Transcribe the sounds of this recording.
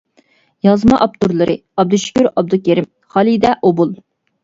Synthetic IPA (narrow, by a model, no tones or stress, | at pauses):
jɑzmɑʔɑp̚t̪uɾlˠɨɾʔɨ̰ | ɑb̚d̪uʃi̥kʲyɾɑb̚d̪ukʲeɾɪm | χɑlˠid̪ɛʔobulˠ